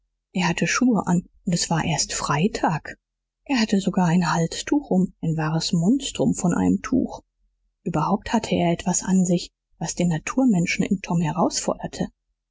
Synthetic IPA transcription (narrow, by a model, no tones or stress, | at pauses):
ʔeːɐhatʰəʃuːəʔanʔʊntɛsv̥aːɐʔeːɐstfʁ̥aɪtʰaːk | ʔeːɐhatəzoɡaːɐaɪnhalstʰuːxʔʊmʔaɪnvaːʁəsmɔnstʁ̥ʊmfɔnʔa̰ɪnəmtʰṵːx | ʔyːbɐhaʊp̚thatʰəeːɐɛtv̥asʔanzɪç | vasd̥eːnːatʰuːɐmɛnʃn̩ɪ̰mtʰɔmhɛʁaʊsfɔɐdɐtʰə